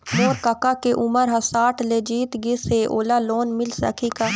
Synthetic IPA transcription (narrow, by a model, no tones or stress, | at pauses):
moːɾkəkakeʔʊməɾɦɐsaːʈʰleːd͡ʒiːt̪ɡɪseʔoːlaloːnmɪlsə̰kʰiːka